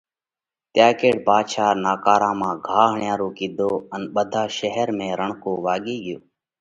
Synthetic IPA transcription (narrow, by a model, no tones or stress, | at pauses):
t̪jaːkeːɽbaːʃaːɾnaːkaːɾãːmãːɡʱaːɦɳɪjaːɾoːkiːd̪ʱoːənɓəd̪ʱaːʃəɦəɾmẽːɾəɳkoːʋaːɠeːɠɪjoː